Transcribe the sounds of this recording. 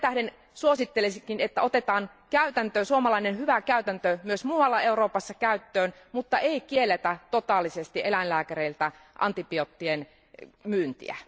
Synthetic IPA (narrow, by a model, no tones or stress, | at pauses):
et̪æhɾen | suosit̪ːelesikinet̪ːæot̪et̪ɑːn | kæyt̪ænt̪øːsuomɑlɑinenhyʋækæyt̪ænt̪ømyøsmuːwɑlːɑeuroːpɑsːɑkæyt̪ːøːn | mut̪ːɑʔeikielet̪æt̪ot̪ɑːlːˑisest̪iʔelænlæːkæreilt̪æ | ʔɑ̰nt̪ipiot̪ːien | myːnt̪ḭæ̰